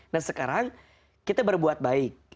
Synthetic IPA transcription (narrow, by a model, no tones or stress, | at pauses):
nahsəkaɾaŋ | kit̪abərbuat̪̚baɪk̚